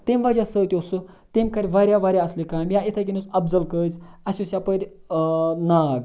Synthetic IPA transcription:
t̪emʋad͡ʑʲasət̪ʲiosu | t̪emʲkaɾʲʋaɾjaʋaɾʲjaəslekamjaet̪ʰak̬ʲinusɐbd͡zəlkəd͡zasosjapəɾʲ | naɡ

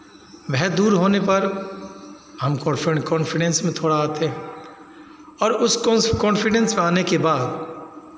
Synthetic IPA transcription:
ʋɛɦd̪uːɾɦoːnepɐɾ | ɦɐmkɔkɔːnfɪɖɛ̃nsmẽt̪ʰoːɽaaːt̪eɦɛ̃ | ɔːɾʊskɔːnfɪɖɛ̃nsmẽaːnekebaːd̪

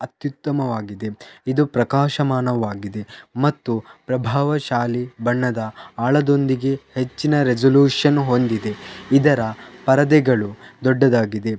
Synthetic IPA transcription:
ɐt̪jut̪ːɐmɐʋaːɡid̪e̞id̪upɾɐkaːʃɐmaːnɐʋaːɡid̪e̞mɐt̪ːupɾɐbʱaːʋɐʃaːlibɐɳːɐd̪ɐaːɭɐd̪o̞nd̪iɡe̞het͡ʃːinɐɾed͡ʒɐljuːʂɐnɦo̞nd̪id̪e̞id̪ɐɾɐpɐɾɐd̪ɛɡɐɭud̪ɔɖːɐd̪aːɡid̪e̞

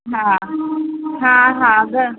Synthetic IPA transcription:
ɦã | ɦãɦãɡə

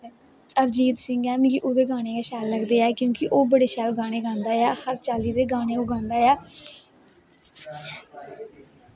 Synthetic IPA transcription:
əɾd͡ʒiːt̪sɪ̃ŋɡɛːmĩɡiʔoːd̪eːɡaːñeːkaːʃaːlːəɡd̪eːɛːkjõːkɪʔoːbəɽeːʃaːlɡaːɽ̃eːɡãːnd̪aːjaːhəɾt͡ʃaːliːd̪eːɡaːñeːoːɡʱãːnd̪aːjɛː

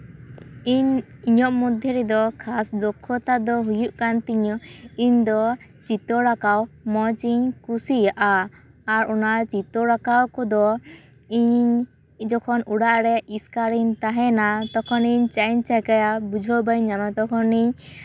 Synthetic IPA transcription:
iɲiɲɔʔmud̪ʱjɔɾɛd̪ɔkʰasdɔkʰːɔt̪ad̪ɔɦujuʔkant̪iɲɔiɲd̪ɔ | t͡ʃit̪ɔɾakawmɔt͡ʃiɲkusijaʔaː | ɾɔnaʔt͡ʃit̪ɔɾakawkɔd̪ɔ | iɲɲ | d͡ʒɔkʰɔnuɽaʔɾɛʔiskaɾiɲt̪aɦɛnat̪ɔkʰɔniɲt͡ʃaɲt͡ʃakajabud͡ʒʱɔbajɲamat̪ɔkʰɔniɲ

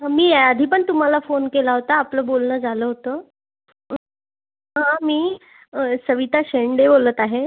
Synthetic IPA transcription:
miːad̪ʱiːpəɳt̪um̤alafonkelaɦot̪aːpləːbolnəd͡zaləːɦot̪əː | ɦãmiː | səʋit̪aɕeɳɖebolət̪aɦe

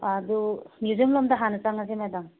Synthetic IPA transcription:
adumjuzimlɔmdaɦanat͡saŋazemadaŋ

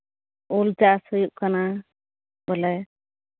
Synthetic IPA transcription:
uld͡ʒashəjuʔkana | bɔlɛ

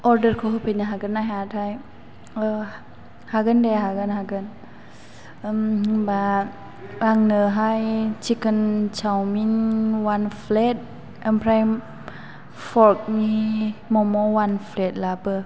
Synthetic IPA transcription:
ʔɔɾdərkʰoɦəpenaɦaɡənaɦat̚haj | ə | haɡəndɛɦaɡənɦaɡən | əmba | aŋnəɦajt͡ʃikənt͡ʃawminwanflɛt̚ | əmpʰɾajm | fɔɾk̚mimɔmɔwanflɛt̚labə

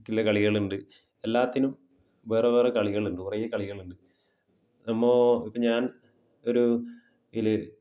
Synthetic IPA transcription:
kːilːɐkɐɭiɣɐɭuɳɖɨ | elːaːt̪ːinum | ʋe̞ːreʋe̞ːrekɐɭiɣɐɭuɳɖɨkurɐjɐkɐɭiɣɐɭuɳɖɨ | nɐmːoːipːɐɲaːn | o̞ɾu | ilɨ

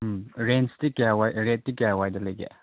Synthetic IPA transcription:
ɾenstikjawajɾet̚dikejawajdɐlɐjɡḛ

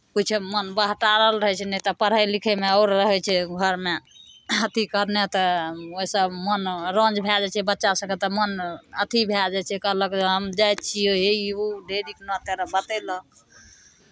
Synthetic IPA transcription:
kut͡ʃʰmənbəɦʈaɾəlɾəɦɛt͡ʃʰɛnɛt̪ɔpəɽ̤əjlikʰemeɔʊɾːəɦɛt͡ʃʰɛɡʱəɾmeət̪ikəɾnet̪əoisəbmənɾə̃nd͡ʒbʱjad͡ʒat͡ʃʰɛbətːt͡ʃasəkɛt̪ɔmənət̪ʰibʱjad͡ʒat͡ʃʰɛkəɦləkɦəmd͡ʒajt̪̚t͡ʃʰioɦeuɖeɾiknɔ̃t̪eɾəbət̪ɛlək

